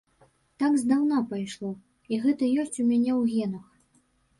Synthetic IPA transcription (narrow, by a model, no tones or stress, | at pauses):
t̪aɡzd̪awnapajʂlˠɔ | iɣɛt̪ɐjɔsʲt͡sʲumʲanʲɛwɣʲɛnɐx